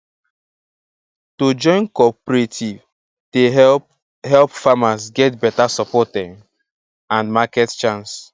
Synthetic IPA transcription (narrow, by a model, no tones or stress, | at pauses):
tod͡ʒɔ̃ɪ̃nkɔpɾetʰiv | te | ɦɛlpfamasɡɛtbɛtasɔpɔtɛ | ãnmakɛtt͡ʃãns